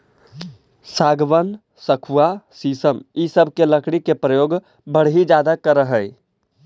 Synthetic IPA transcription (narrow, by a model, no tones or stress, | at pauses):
saːɡʋən | səkʰuwasiːsəmisəbʱkeləkʰɽ̃ikepɾəjoːɡ | bəɽ̤ɦid͡ʒaːd̪akəɾəɦəɪ